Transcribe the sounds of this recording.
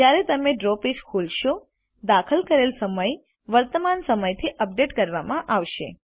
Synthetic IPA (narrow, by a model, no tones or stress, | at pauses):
d͡ʒjaɾet̪əmeɖɾoped͡ʒkʰulʃo | d̪akʰəlkəɾelsəməj | ʋəɾt̪əmansəməjt̪ʰiʔəp̚ɖeʈkəɾʋamãʔaʋʃḛ